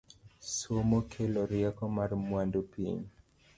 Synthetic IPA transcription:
swomɔkʰelɔɾjakɔmarmwandupḭɲ

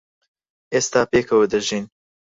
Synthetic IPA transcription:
eːst̪aːpeːkʰɐwəd̪əʒin

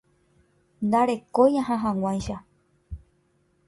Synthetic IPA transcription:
nd̪aɾe̞kojãɦãɦãw̃ãjʃa

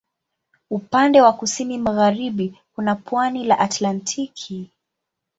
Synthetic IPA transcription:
upandɛwakusinimaɣaɾiɓikunapwanilaʔatlantʰikʰi

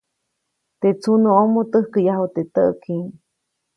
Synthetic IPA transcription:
t̪et͡sʰunəomot̪əhkəjaɦot̪et̪əʔkʰiŋ

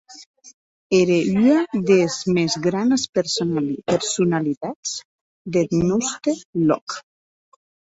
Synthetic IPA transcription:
eɾeyaðezmezɣɾanspeɾspeɾsunalit̪at͡s | d̪et̪nɔst̪elɔ̰k

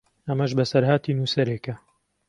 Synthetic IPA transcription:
ɐmɐʒbɐsɐɾhaːt̪ʰiːnuːsɐɾeːkɐ

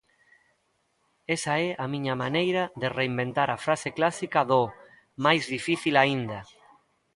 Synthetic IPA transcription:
esaɛʔamĩɲamanejɾaðereimbent̪aɾafɾaseklasikaðo | majzðifiθilaind̪a

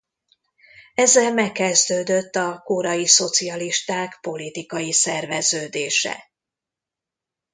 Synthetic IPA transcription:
ɛzɛlmɛkːɛzd̪øːd̪øt̪ːɒkoɾɒjiso̞t̪siɒliʃt̪aːkpo̞lit̪ikɒjisɛrvɛzøːd̪eːʃɛ̰

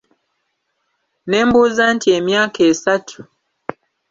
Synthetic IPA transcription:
nembuzantiemjaːkesatʰu

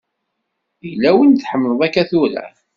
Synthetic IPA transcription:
ilːæwənθħəmːnəðˤækːæθuɾæ̰

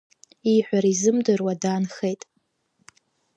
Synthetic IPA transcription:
iħʷᶣaɾizɨmdɨrwadaːnχe̞jtʼ

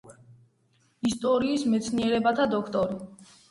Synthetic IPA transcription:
ist̪ʼɔɾiːsmɛt̪sʰniɛɾɛbat̪ʰad̪ɔkʰt̪ʼɔɾi

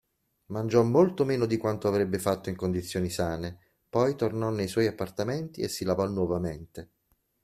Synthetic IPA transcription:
mand͡ʒɔmːolt̪omeːnod̪ikwant̪oavɾebːefat̪ːoiŋkond̪it̪sːjoːnisaːne | pɔjt̪ornɔnːejswɔjapːart̪ament̪iesːilavɔnwɔvament̪e

